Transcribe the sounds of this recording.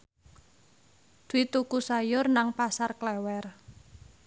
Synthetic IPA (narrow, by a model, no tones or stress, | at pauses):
d̪̥it̪ukusajʊrnaŋpasarklɛwɛr